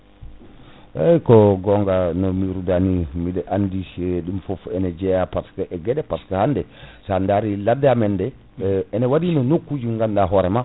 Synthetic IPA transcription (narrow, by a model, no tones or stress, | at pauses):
ɛjkɔɡɔŋɡanɔmiɾudanimiɗɛʔandiseɗimfɔfɛnɛd͡ʒɛjapaskaʔɛɡɛɗɛpaskahandɛsandaɾiladːamɛndɛ | ɛnɛwadinɔnokːud͡ʒuŋɡandaɦɔɾɛma